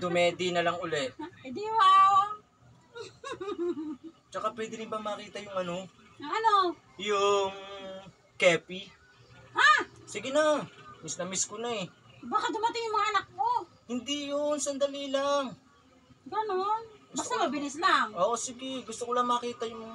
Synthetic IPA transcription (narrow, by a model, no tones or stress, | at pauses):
d̪ʊmɛːd̪inɐlɐŋʊlɛt̪̚d̪iwawa | t͡ʃɐkapwɛd̪ɪnɪbamɐkiːt̪ɐjʊŋɐno̞ | ɐno | jʊŋ | kɛːpi | ʔasiɡɪnɐmisnɐmiskonɐɛ | bakad̪ʊmɐt̪ɪŋjʊŋmɐŋaʔɐnɐk̚mo | hɪnd̪ijonsɐnd̪ɐliːlaŋ | ɡɐnonbɐst̪amɐbɪnɛslaŋʔoːʔosiɡɪɡʊst̪okolɐŋmɐkiːt̪ɐjʊŋ